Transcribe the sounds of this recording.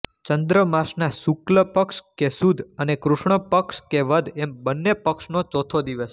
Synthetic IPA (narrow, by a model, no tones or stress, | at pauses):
t͡ʃənd̪ɾəmaʃnasukləpəkʃkesud̪ʱənekɾʊʃɳəpəkʃkeʋəd̪ʱembənːepəkʃnot͡ʃot̪ʰod̪iʋəs